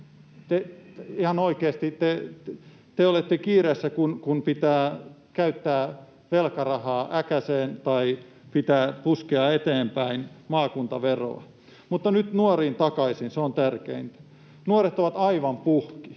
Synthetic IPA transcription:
t̪eihɑnoikeːst̪it̪e | t̪eolet̪ːekiːresːækunkunpit̪æː | kæyt̪ːæː | ʋelkɑrɑhɑːʔækæseːnt̪ɑi | pit̪æːpuskeɑet̪eːmpæinmɑːkunt̪ɑʋero̰ɑ̰ | mut̪ːɑnyt̪nuoriːnt̪ɑkɑisinseont̪ærkḛint̪ | nuoret̪oʋɑt̪ɑiʋɑmpuhki̥

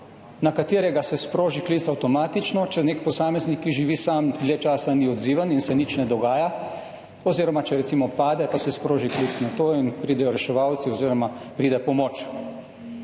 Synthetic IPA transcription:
nakat̪eːɾɛɡasɛspɾoːʒikliːt̪sawt̪ɔmaːt̪it͡ʃnɔt͡ʃɛneːkpɔsaːmɛznikːiʒiʋiːsamd̪let͡ʃaːsaniɔd̪ziːʋaninsɛnit͡ʃnɛd̪ɔɡaːja | ɔziːɾɔmat͡ʃɛɾɛt̪simɔpaːd̪ɛpasɛspɾoːʒikliːt̪snat̪oinpɾiːd̪ɛjɔɾɛʃɛʋawt̪siɔziːɾɔmapɾiːd̪ɛpɔmoːt͡ʃ

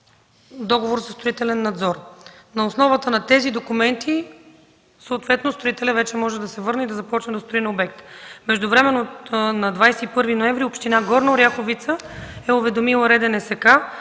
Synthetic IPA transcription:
d̪ɔɡovoɾzɐst̪ɾoit̪ɛlɛnːɐd̪zɔɾnɐosnɔvət̪ənɐt̪ɛzid̪okumɛnt̪ʰi | soːt̪vɛt̪nost̪ɾoit̪ɛlʲəvɛt͡ʃɛmɔʒɛd̪ɐsɛvɤɾnəid̪ɐzɐpɔt͡ʃnɛd̪ost̪ɾoinobɛkt̪mɛʒd̪ʊvɾɛmɛnonɐd̪vajsɛipɤɾvinoɛmvɾiopʃt̪inaɡɔɾnɐʊɾʲjaxovit̪səɛʊvɛd̪omilˠəɾɛd̪ɛnɛsɛka

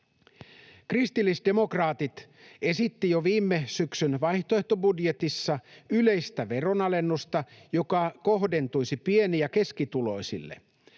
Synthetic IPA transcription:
krist̪ilːisde̞mo̞krɑːt̪it̪ | e̞sit̪ːijoʋiːmːesyksynʋɑjht̪oeht̪o̞budje̞t̪isːɑyle̞jst̪æʋe̞ro̞nɑle̞nːust̪ɑjo̞kɑko̞ɦde̞nt̪ujsipieniæke̞skit̪ulo̞jsḭlːḛ

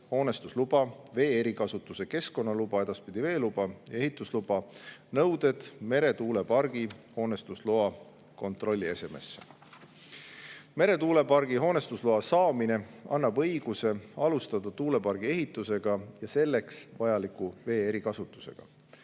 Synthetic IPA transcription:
ho̞ːne̞st̪uslub̥ɑve̞ːeɾikɑsut̪ːˑuse̞ke̞sko̞nːɑlub̥ɑe̞d̪ɑspid̪̥ive̞ːlub̥ɑjɑe̞ɦit̪ːˑuslub̥ɑnɤwd̪e̞d̪̥me̞ɾe̞t̪uːle̞pɑrɡ̥iho̞ːne̞st̪usloɑ | ko̞nt̪ˑro̞lʲːie̞se̞me̞̰sːe | me̞ɾe̞t̪uːle̞pɑrɡ̥iɦo̞ːne̞st̪usloɑsɑːmine̞ɑ̰nːɑbɤ̞jɡ̥use̞ɑlust̪ɑd̪̥ɑt̪uːle̞pɑrɡ̥ie̞ɦit̪ːˑuse̞ɡ̥ɑjɑse̞lːe̞ksvɑjɑlikːuve̞ːeɾikɑsut̪ːˑu̥se̞̰ɡ̥ɑ̰

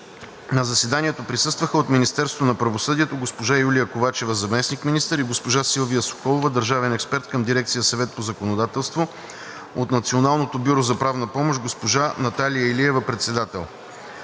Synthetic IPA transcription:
nɐzɐsɛd̪aniɛt̪opɾisɤst̪vəxəot̪minist̪ɛɾst̪vonɐpɾɐvosɤd̪iɛt̪oɡospoʒajulʲijəkovat͡ʃɛvəzɐmɛsnikminist̪əɾiɡospoʒasilˠvijəso̥kɔlˠovəd̪əɾʒavɛnɛkspɛɾt̪kəmd̪iɾɛk̚t̪sijəsɐvɛt̪̚pozɐkonod̪at̪ɛlˠst̪vo | ot̪nɐt̪sionalˠnot̪obʲuɾozɐpɾavnəpɔmoʃɡospoʒanɐt̪alijəɛliɛvəpɾɛt̪sɛd̪at̪ɛ̰lˠ

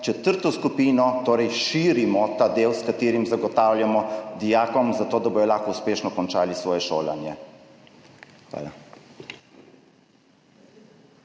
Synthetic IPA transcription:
t͡ʃɛt̪əɾt̪ɔskupiːnɔt̪oːɾɛjʃiːɾimɔt̪aːd̪eːwskat̪eːɾimzaɡɔt̪aːwljamɔd̪ijaːkɔmzat̪oːd̪abojɔlaːxkɔuspeːʃnɔkɔnt͡ʃaːlisʋɔːjɛʃo̰ːla̰njɛ | xʋa̰ːla̰

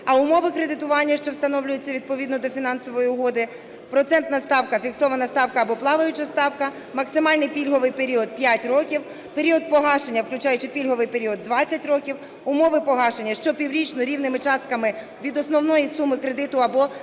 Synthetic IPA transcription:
ɐʊmɔʋɪkɾed̪ɪt̪ʊʋɑnʲːɐʃt͡ʃɔwst̪ɐnɔwlʲʊjet͡sʲːɐʋʲid̪̚pɔʋʲid̪nɔd̪ɔfʲinɑnsɔʋɔjiʊɦɔd̪ɪ | pɾɔt̪sɛnt̪nɐst̪ɑwkɐfʲiksɔʋɐnɐst̪ɑwkɐːbɔplˠɑʋɐjʊt͡ʃɐst̪ɑwkɐ | mɐksɪmɑlʲnɪjpʲilʲɦɔʋɪjpe̞ɾʲiɔd̪̚pjatʲrɔkʲiw | pe̞ɾʲiɔd̪̚pɔɦɑʃenʲːɐwklʲʊt͡ʃɑjʊt͡ʃɪpʲilʲɦɔʋɪjpe̞ɾʲiɔd̪ːʋɑt͡sʲːɐtʲrɔkʲiw | ʊmɔʋɪpɔɦɑʃenʲːɐʃt͡ʃɔpʲiwɾʲit͡ʃnɔɾʲiwnɪmɪt͡ʃɑst̪̚kɐmɪ | ʋʲid̪ɔsnɔwnɔjisumɪkɾed̪ɪt̪ʊɐbɔ

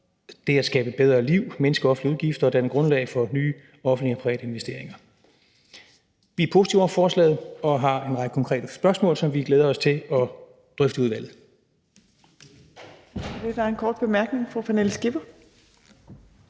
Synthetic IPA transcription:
d̥e̝æsɡ̥ɛ̰ːb̥əb̥eð̞ˠʁɐliʊ̰menəsɡ̥əɒ̽fn̩dliuð̞ˠɡ̥ifd̥ɐɒd̥ænəɡ̥ʁɔ̽nlɛ̰ɪfɒ̽nyː | ɒ̽fn̩dliɒpʰɑiʋɛ̰ːɾ̥əe̝nʋesd̥e̝̰ɐ̰eŋɐ | ʋiæɐpʰo̝ːsi̥t͡sʰiʊɒfɒːslɛ̰ːð̩ˠɒ̽ɦɑ̈e̝nʁɑ̈ɡ̥əkʰɒ̽ŋkʰʁɛ̰ːdəsb̥ɶɐsmɔ̰ːlsɒ̽mʋiɡ̥leːð̞ˠɐɒ̽st͡sʰe̝ɒ̽ | d̥ʁœfd̥əuð̞ˠʋæl̰ð̩ˠ | d̥ed̥ɑɐenkʰɒːd̥b̥e̝mæɐɡ̥ne̝ŋfupʰænelsɡ̥ib̥ɐ

